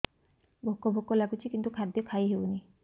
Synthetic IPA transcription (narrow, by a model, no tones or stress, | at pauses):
bʱokːɔbʱokːɔlaɡut͡ʃʰikint̪ukʰad̪ːjɔkʰajɦewni